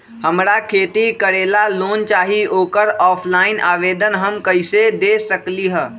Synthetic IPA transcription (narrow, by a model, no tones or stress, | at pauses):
ɦəmɾakʰeːt̪ikəɾeːlaloːnt͡ʃaːɦioːkəɾɔːpʰlaːɪnʔaːʋeːd̪ənɦəmkəɪsed̪eːsəkliɦə